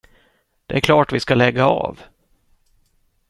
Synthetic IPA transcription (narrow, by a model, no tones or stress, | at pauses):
d̪̥ɛæɾkʰlɑːʈvɪskalɛɡːaɑ̰ːv